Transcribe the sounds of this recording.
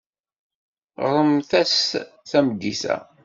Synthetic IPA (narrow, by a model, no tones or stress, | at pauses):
ʁɾˤəmθæs | θæmd̪ːisæ̰